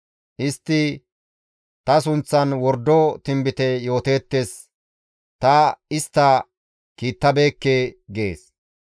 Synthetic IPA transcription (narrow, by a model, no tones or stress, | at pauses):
ʔɪst̪ːɪ | t̪ɐs̬ʊnt͡sːɐnwɔɾd̪ɔt̪ɪmbɪt̪ɛjo̞ːt̪e̞ːt̪ːes | t̪ɐɪst̪ːɐ | kiːt̪ːɐbe̞ːkːeːɡḛːs